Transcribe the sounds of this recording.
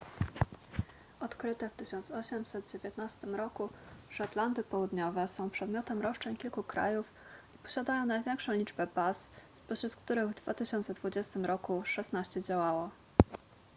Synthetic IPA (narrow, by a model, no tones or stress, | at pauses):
ɔt̪kɾɘt̪ɛft̪ɘɕɔnt̪sɔɕɛmsɛd̪̚d͡ʑevʲjet̪nast̪ɘmɾɔkuʂat̪land̪ɘpɔwud̪ɲɔvɛsɔ̃w̃pʂɛd̪mʲjɔt̪ɛmɾɔʂt͡ʂɛɲkʲilkukɾa̰juf | ipɔ̥ɕad̪ajɔ̃w̃najvʲjɛŋkʂɔ̃w̃lʲid͡ʐbɛbasspɔɕɾut̪kt̪uɾɘɣvd̪va̰t̪ɘɕɔnt̪sɛd̪vud͡ʑɛst̪ɘmɾɔkuʂɛsnaɕt͡ɕɛd͡ʑawawɔ